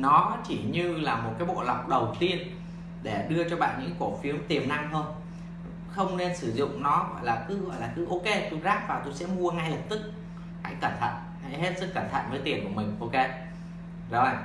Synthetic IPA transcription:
nɔ˨˦t͡ɕi˧˩ɲɨ˧laː˨˩mo˨˩t̚kaː˨˦jɓo̰˧˨la˨˩wk͡p̚ɗə˨˩wt̪i˧ən | ɗe˧˩ɗɨ˧ət͡ɕɔ˧ɓa̰ː˧˨nɲɨ̰˧˥˨ko˧˩fi˨˦əwmt̪i˨˩əmna˧ŋɦəː˧n | xə˧wŋ͡mne˧nsɨ˧˩zʊ̰˧˨ŋ͡mnɔ˨˦ɣɔ̰˧˨jlaː˨˩kɨ˨˦ɣɔ̰˧˨jlaː˨˩kɨ˨˦ʔo˧ke˧t̪o˧jzaː˦˥k̚vaː˨˩t̪o˧jsɛ̰˧˥mu˧əŋa˧jlə˨˩p̚t̪ɨ˦˥k̚ | ha̰˧˥jkaː˧˩nt̪ʰa̰ː˧˨j | ha̰˧˨jɦe˦˥t̚sɨ˦˥k̚kːaː˧˩nt̪ʰa̰˧˨jvəː˨˦jt̪i˨˩ənku˧˩əmï˨˩ŋ̟ʔo˧ke˧ | zɔ̰˨˦˨

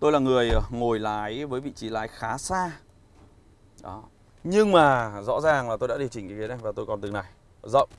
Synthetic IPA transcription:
t̪o˧jlaː˨˩ŋɨ˨˩əjŋo˨˩jlaː˨˦jvəː˨˦jvḭ˧˨t͡ɕi˨˦laː˨˦jxaː˨˦saː˧ | ɗɔ˨˦ | ɲɨ˧ŋmaː˨˩zɔ̰˧˥zaː˨˩ŋlaː˨˩t̪o˧ja̰ː˧˥ɗi˨˩ət͡ɕï˨˩ŋʔi˧ki˨˦na˧˩vaː˨˩t̪o˧jkɔ˨˩nt̪ɨ˨˩ŋna˨˩j | zə̰˧˨wŋ͡m

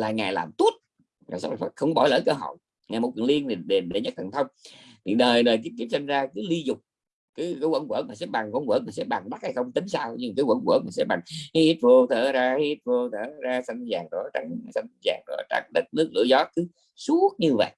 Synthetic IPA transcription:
laː˨˩ŋaː˨˩jlaː˨˩mt̪u˦˥ət̚ | ka̰ː˨˩sa˦˥la˨˩fa˦˥˩xə˧wŋ͡mkɔ˦ɓɔ˧˩˦ləː˧˨˦jkəː˧ɦo̰˧˨j | ŋaː˨˩mo˨˩t̚kwi˨ənli˧ən˨˩ɗe˨˩nɗe˨˧˩ɲə˦˥t̪ʰə˨˩nt̪ʰə˧wŋ͡m | t̪ʰi˨˩ɗəː˨˩jɗəː˨˩k̪̬i˦˥p̪̚i˦˥p̚sa˧jŋ̟zaː˧kɨ˨˦li˧zʊ˨˩k͡p̚ | kɨː˨˦kəː˨˦kwə̰˧˥˦nkwə̰˧˥˦nmaː˨˩sɛ̰˧˥ɓa˨˩ŋkwə˧˥˦nkwə̰˧˥˦nmaː˨˩sɛ̰˧˥ɓa˨˩ŋɓa˦˥t̚ha˧jxə˧wŋ͡mt̪ï˨˦ŋ̟saː˧wɲɨ˧kaː˨˦jkwə̰˧˥˦nkwə̰˧˥˦nmaː˨˩sɛ̰˧˥ɓa˨˩ŋhi˦˥t̚vo˧t̪ʰəː˧˩zaː˧hi˧˦˥t̚vo˧t̪ʰəː˧˩zaː˧sa˧jŋzaː˨˩ŋɗo˧˩t͡ɕa˧˥ŋsa˧jŋza̰ː˨˩ŋɗɔ̰˧˩˦t͡ɕa̰˧˥k̚ɗə˦˥t̚nɨ˦˥ək̚lɨ̰˧˥əzɔ˨˦kɨ˨˦ | su˦˥t̚ɲɨ˧və̰˧˨j

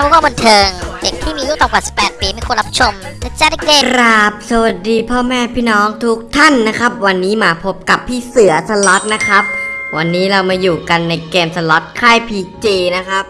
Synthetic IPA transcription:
a˧wkɔː˥˩ba˧nt̪ʰɤː˧ŋde˨˩k̚t̪ʰiː˥˩miː˧juː˥˩t̪ɔː˨˩kwaː˨˩si̥˨˩pːɛː˨˩t̪̚piː˧ma˥˩jkʰu˧nɾa˦˥p̚t͡ɕʰo˧mt̪a˧˥t͡ɕaː˧˥˩na˥˩keː˧ɾa˦˥p̚sa˧˩wa˨˩t̪̚diː˧pʰɔː˥˩mɛː˥˩pʰiː˥˩nɔː˦˥ŋt̪ʰuː˦˥k̚t̪ʰa˥˩nːa˦˥kʰɾa˦˥p̚wa˧nːiː˦˥maː˧pʰo˦˥p̚ka˨˩pʰːiː˥˩sɯ˩˦ɐsa˧lɔ˦˥t̪̚na˦˥kʰɾa˦˥p̚wa˧nːiː˦˥ɾa˧wmaː˧juː˨˩ka˧nːa˧jkeː˧msa˧lɔ˦˥t̪̚kʰa˥˩jpʰiː˧t͡ɕiː˧na˦˥kʰa˦˥p̚

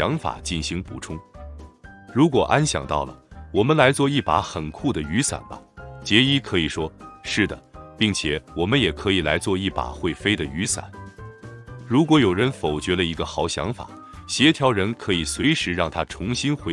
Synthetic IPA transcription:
ɑ˧˥ŋfa̰˨˩˦t͡ɕi˥˩nɕi˧˥ŋpṵ˨˩ʈ͡ʂʰʊ˥ŋ | ɻu˧˥kwɔ˨˩ʔa˥nɕjɑ̰˨˩ŋt̪ɑ̰˥˩ʊlə̰˩wɔ˨˩mə˦nla˧˥ɪt͡swɔ˥˧i˥˩pa̰˧˥xə˨˩nkʰu˥˩d̪ə˩y˧˥sa̰˨˩nbɐ̰˦t͡ɕjɛ˧˥i˥kʰɤ˧˥i˨˩ʂwɔ˥ʂɻ̩˥˩d̪ə̰˩pi˥˩ŋt͡ɕʰjɛ˨˩˦wɔ˨˩mə˦njɛ˨˩kʰɤ˧˥i˨˩la˧˥ɪt͡swɔ˥˧i˥˩pa̰˨˩xwe˥˩ɪfe˥ɪd̪ə˨y˧˥sa̰˨˩˦n | ɻu˧˥kwɔ˧˥jo˨˩ʊɻə˧˥nfo˨˩ʊt͡ɕɥɛ˧˥lə˧i˧˥ɡə˧xɑ˨˧˥ʊɕjɑ̰˧˥ŋfa̰˨˩˦ | ɕjɛ˧˥t̪ʰjɑ˧˥ʊɻə˧˥nkʰɤ˧˥i˨˩swe˧˥ɪʂɻ̩˧˥ɻɑ˥˩ŋt̪ʰa˥ʈ͡ʂʰʊ˧˥ŋɕi˥nxwe˧˥

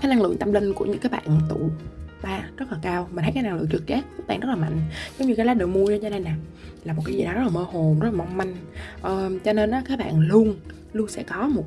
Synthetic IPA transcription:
kaː˨˦na˧ŋlɨ̰˧˨əŋt̪a˧mlï˧ŋ̟ku˧˩ɲɨ̰˧˥ŋkaː˨˦jɓa̰ː˧˨nt̪ṵ˧˨ɓaː˧zə˦˥t̚laː˨˩kaː˧wmi˨˩t̪ʰkaː˨˦jna˧ŋlɨ̰˧˨əŋt͡ɕɨ˨˩k̚t͡ɕɛː˦˥k̚ɓa̰ː˧˨nʔz̚laː˨˩ma̰˧˨ŋ̟zo˨˦ŋ͡mɲɨ˧kaː˨˦la˨˦˥ɗəː˨˩mu˧ət͡ɕːɲaː˧na˧jna˨˩laː˨˩mo˨˩aː˨˦jzi˨˩ɗɔ˨˦ə˦˥laː˨˩məː˧ho˨˩nzə˦˥t̚aː˨ma˧wŋ͡mma˧jŋ̟ʔəː˨˩t͡ɕɔ˧ne˧nʔaː˨˦kaː˨˦jɓa̰ː˧˨nlu˧əŋ | lu˧ənsɛ̰˧˥kɔ˨˦mo˨˩t̚

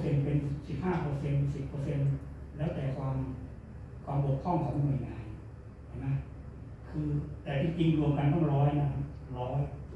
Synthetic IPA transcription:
se˧npe˧nsi˨˩p̚si˨˩p̚haː˥˩pɤː˧se˧nsi˨˩pːɤː˧se˧nlɛː˦˥wt̪ɛː˨˩kʰwaː˧m | kʰwaː˧mbu˨˩əkkʰːɔ˥˩ŋkʰɔː˨˩˦ŋ˧nu˧˩jŋaː˧n | t͡ɕʰɛ˧˩ma˦˥ | kʰɯː˧t̪ɛː˨˩t̪ʰiː˥˩t͡ɕi˧ŋɾu˧əmka˧nt̪ɔ˥˩ŋɾɔː˦˥jna˦˥˩kʰa˦˥˩ | ɾɔː˦˥j

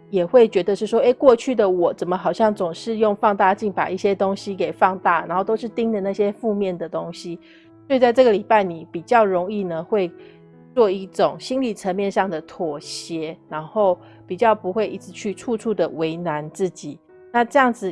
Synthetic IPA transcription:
jɛ˨˩xwe˥˩ɪt͡ɕɥɛ˧˥d̪ə˧ʂɻ̩˥˩ʂwɔ˥e˥˩ɪkwɔ˥˧t͡ɕʰy˥˩d̪ə˩wɔ˨˩t͡sə˨˩nmə˦xɑ˨˩ʊɕjɑ˥˩ŋt͡sʊ˨˩ŋʂɻ̩˥˧jo˥˧ŋfɑ˥˧ŋt̪a˥˧t͡ɕi˥˩ŋpa̰˨˩i˥˩ɕjɛ˦˥t̪o˥ŋɕi˦ke˨˩ɪfɑ˥˧ŋt̪a˥˩na˨˧nxo˥˩ʊt̪o˥ʊʂɻ̩˥˩t̪i˥ŋd̪ə˨na˥˩ɕjɛ˦˥fu˥˧mjɛ˥˩nd̪ə˩t̪o˥ŋɕi˦ | swɔ˧˥i˨˩t͡sa˥˧ɪʈ͡ʂɤ˥˩ɡə˨li˨˩pa˥˩ɪni˨˩pi˨˩t͡ɕjɑ˥˩ʊɻʊ˧˥ŋi˥˩nə˩xwe˥˧ɪ | t͡swɔ˥˧i˥˩ʈ͡ʂʊ˨˩ŋɕi˥nli˨˩ʈ͡ʂʰə˧˦nmjɛ˥˧nʂɑ˥˩ŋd̪ə˩t̪ʰwɔ˨˩ɕjɛ˧˥na˧˥nxo˥˩ʊ | pi˨˩t͡ɕjɑ˥˩ʊpu˧˥xwe˥˩ɪʔi˧˥t͡sɻ̩˧˦t͡ɕʰy˥˧ʈ͡ʂʰu˥˧ʈ͡ʂʰu˥˩d̪ə˩we˧˥ɪna˧˦nt͡sɹ̩˥˩t͡ɕi˨˩˦ | na˥˧ʈ͡ʂɤ˥˧jɑ˥˩ŋd͡zɹ̩˨˩

